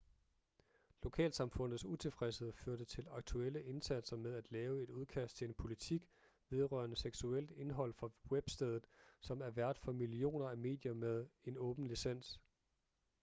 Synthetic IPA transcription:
lo̝kʰɛ̰ːlsɑ̈mfɔ̽n̰ð̞̩ˠsut͡sʰe̝lfʁɛsəð̞̩ˠəføɐd̥ət͡sʰe̝lɑ̈ɡ̥̚t͡sʰuel̰əʔe̝nsæd̥sɐmeðˠæd̥lɛːʊe̝d̥uð̞ˠkʰæsd̥t͡sʰe̝e̝npʰo̝lit͡sʰiɡ̥ | ʋe̝ð̞ˠʁɶ̰ɐnəseɡ̥suel̰d̥e̝nɦɒ̽l̰fʁɒweb̥sd̥eð̞ˠð̩ˠsɒ̽mæɐʋæɐ̰d̥fɒ̽milio̝̰ːnɐæme̝̰ːd̥jɐmeð̞ˠe̝nɔ̽ːb̥n̩lisen̰s

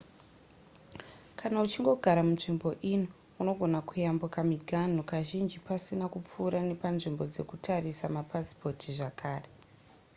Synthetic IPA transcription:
kʰanaut͡ʃiŋɡo̞ɡʱaɾamunʐimbo̞ʔino | uno̞ɡʱo̞nakujambukamiɡʱan̤okaʒind͡ʒipasinakup͡fuːɾane̞panʐimbo̞d͡ze̞̰kutʰarisamapaspo̞tʰiʐakaːre̞

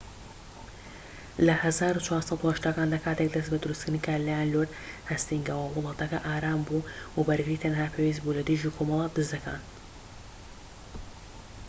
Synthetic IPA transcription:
lɐhɐzaːɾut͡ʃʰwaːɾsɑt̪uhɐʃt̪aːkaːnd̪akʰaːt̪ek̚d̪ɐsbɐd̪ɨɾust̪kɾd̪nkʰaːlajanloɾd̪hɐst̪iŋɡawɐwʊlˠɑːt̪ʰɐkɐʔaːɾaːmbuːwabɐɾɡɨɾiːt̪ʰɐnhaːpʰewis̬buːlɐd̪ɨʒiːkʰomɐlˠɑːt̪d̪ɨzd̪ɐka̰ːn

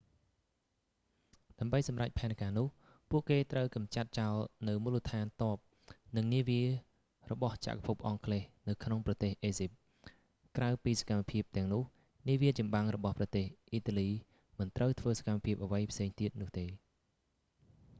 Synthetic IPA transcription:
ɗaəmɓəjsɑmrac̚pʰaɛnkaːnʊ̆əh | puəʔkeːt̪rəwkɑmt͡ɕat̪̚t͡ɕalnɨwmuːlət̪ʰaːnt̪ŏəp̚ | nɨŋniəʋiə | rɔɓɑht͡ɕa̰ʔkapʰup̚ʔɑŋkʰleːhnɨwkʰnoŋprɑt̪eːhʔeːsip̚ | krawpiːsḁkamːapʰiəp̚t̪ɛ̆əŋnʊ̆əh | niəʋiət͡ɕɑmɓaŋrɔɓɑhprɑt̪eːhʔiːt̪aliː | mɨnt̪rəwt̪ʰʋəːsḁkamːapʰiəp̚ʔəʋəjpʰseːŋt̪iət̪̚nʊ̆əht̪eː

